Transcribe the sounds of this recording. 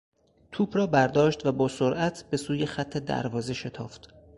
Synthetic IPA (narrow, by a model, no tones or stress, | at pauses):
t̪ʰuːbrɒːbæɾd̪ɒːʃt̪væbɒːsoɾʔæt̪ʰb̥e̞suːjexæt̪ʰːe̞d̪æ̰ɾvɒːze̞ʃe̞t̪ʰɒːft̪